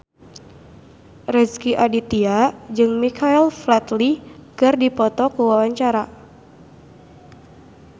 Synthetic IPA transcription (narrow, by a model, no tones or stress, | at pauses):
rɛskiʔadit̪iad͡ʒɨŋmikʰailflat̪likɨrdipɔt̪ɔkuwawaɲt͡ʃaɾa